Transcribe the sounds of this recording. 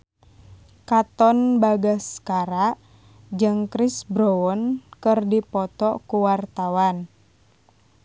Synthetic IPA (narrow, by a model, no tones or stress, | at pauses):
kat̪ɔnbaɡaskaɾaʔ | d͡ʒɨŋkɾisbɾɔɔnkɨrdipɔt̪ɔkuwart̪awan